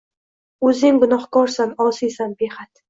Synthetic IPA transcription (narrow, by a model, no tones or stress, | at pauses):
ɵzɪŋɡʊnɒhkɒɾsanɒsijsanbehat̪